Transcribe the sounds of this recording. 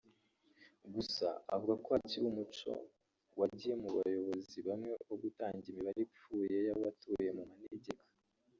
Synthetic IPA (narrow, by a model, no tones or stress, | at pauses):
ɡusa̰a̰vuɡakoaciɾumut͡ʃo̞̰ | waɟije̞muβa̰jo̞βo̞ziβamŋe̞βoɡutaːɲɟiimiβaɾip͡fuːje̞jaβoβatuːje̞mumaneɟekḁ